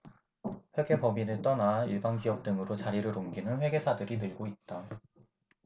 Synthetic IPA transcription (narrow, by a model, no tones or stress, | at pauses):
ɸjʌɡe̞pʌminɯt͈ʌnaiɭbankijʌk̚t͈ɯŋɯɾot͡ɕaɾiɾɯɾoŋɡinɯnɸwe̞ɡe̞sʰadɯɾinɯɭɡoit̚t͈a